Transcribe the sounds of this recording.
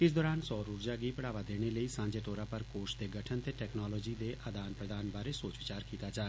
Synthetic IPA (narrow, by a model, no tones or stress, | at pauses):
ɪs̬d̪ɔːɾaːnsɔːɾuːɾd͡ʒaːɡiːpəɽaːʋaːd̪eːɽ̃eːləiːsãːd͡ʒeːt̪oːɾaːpəɾkoːɾʃd̪eːɡəʈʰənt̪eːʈɛːknɔːlɔːd͡ʒiːd̪eːʔad̪aːnpɾəd̪aːnbaːɾeːsoːt͡ʃʋɪt͡ʃaːɾkiːt̪aːd͡ʒaː